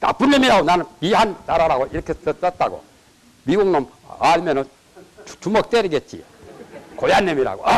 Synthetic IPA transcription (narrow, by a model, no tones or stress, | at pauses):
ta̰punːemiɾaɡonanɯnpiɦantaɾaɾaɡoiɾʌkʰet͈ʌt̚t͈aɡo̰ | miɡuŋnʌm | aɭmenʌn | t͡ɕumʌk̚t͈eɾiɡet̚t͡ɕ͈ḭ | kojanːemiɾa̰ɡo̰